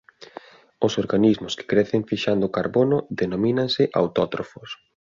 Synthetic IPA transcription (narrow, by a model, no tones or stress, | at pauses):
ʊsoɾɣanizmʊskɪ̥kɾɛθeɱfiʃand̪ʊkaɾβonʊðenomĩnaŋsɪʔa̰wt̪ɔt̪ɾofʊs